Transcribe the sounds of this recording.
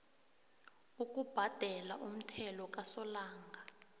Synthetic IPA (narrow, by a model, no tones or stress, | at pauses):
uk̬ʼub̥ʱad̥ʱɛlaʔum̩tʰɛlɔk̬ʼasɔlaːŋɡʱa